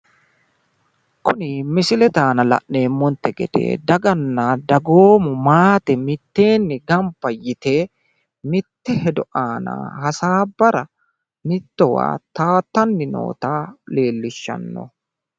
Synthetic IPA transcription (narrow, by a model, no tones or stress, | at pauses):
kʊnɪmɪsɪlɛt̪aːnɐlɐ̰ʔːe̞ːmːɔnt̪ːɛɡɛ̰d̪̥ḛːd̪ɐɡɐnːɐd̪ɐɡoːmʊmaːt̪ɛmɪt̪ːe̞ːnːɪɡɐmpːɐjɪt̪eː | mɪt̪ːɛhɛd̪ɔʔaːnɐ̰hɐsaːbːɐɾɐ | mɪt̪ːɔwa̰ːt̪aːt̪ːɐnːɪno̰ːt̪aːle̞ːlːɪʃːɐ̰nːɔ̰